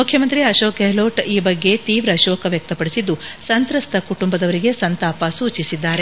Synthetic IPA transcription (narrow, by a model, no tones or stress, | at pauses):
mukʰːjɐmɐnt̪ɾiɐʃoːkeɦloːʈiːbɐɡːe̞t̪iːʋɾɐʃoːkɐʋjɐk̚t̪ɐpɐɽisid̪ːusɐnt̪ɾɐst̪ʰɐkuʈumbɐd̪ɐʋɐɾiɡe̞sɐnt̪aːpɐsuːt͡ʃisid̪ːaːɾe